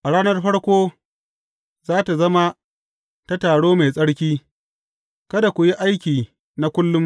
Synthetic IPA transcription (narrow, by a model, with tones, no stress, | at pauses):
ʔa˨ɽaː˦nɐ˦rɸɐ˦ɽkʷoː˦ | zaː˦ta˨zɐ˦ma˦ | ta˦taː˨ɽoː˦me˨sʼɐ˦ɽkʲiː˦ | kɐ˦da˨kʷʊ˨ji˦ʔa˦jkʲiː˨ | na˦kʷʊ˦lːʊ˦m